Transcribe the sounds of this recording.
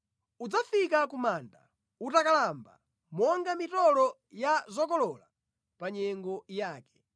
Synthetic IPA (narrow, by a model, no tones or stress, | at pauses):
ud͡zafikakumaːnda̰ | utakalamba̰ | mɔŋɡamitɔlɔ | jazɔkɔlɔla | paɲɛŋɡɔjaːkɛ̥